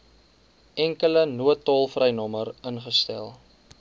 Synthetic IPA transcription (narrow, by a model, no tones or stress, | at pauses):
ɛŋkələnuətːɑlˠfrəjnɔməɾənχəstæ̰lˠ